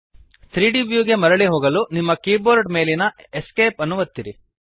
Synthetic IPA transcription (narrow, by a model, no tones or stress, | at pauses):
t̪ʰɾiːɖibjuːɡe̞mɐɾɐɭiɦoːɡɐlunimːɐkiːboːɾɖme̞ːlinɐ | eskeːpɐnːuʋɐt̪ːiɾi